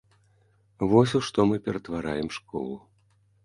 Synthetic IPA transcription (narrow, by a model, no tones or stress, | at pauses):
vɔsʲuʂt̪ɔmɨpʲɛɾɐt̪vaɾajɛmʂkɔ̰lˠu